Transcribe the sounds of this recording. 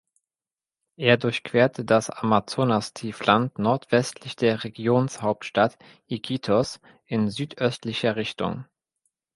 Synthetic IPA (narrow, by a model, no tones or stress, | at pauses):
ʔeːɐdʊɐçkv̥eːɐtʰədasamat͡soːnastʰiːflantnɔɐtv̥ɛstʰlɪçd̥eːɐʁeɡjoːnshaʊp̚tʃtat | ʔikʰitʰɔs | ʔɪnzyːtʔœstlɪçɐʁɪçtʊ̰ŋ